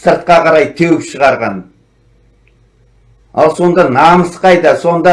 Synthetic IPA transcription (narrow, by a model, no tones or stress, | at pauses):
səɾt̪̚qɑqʰɑɾɑjt̪ʰewɪpʃəʁɑɾʁɑn | ɑ̰lˠso̞nd̪ɑnɑməsqɑjd̪ɑso̞nd̪ɑ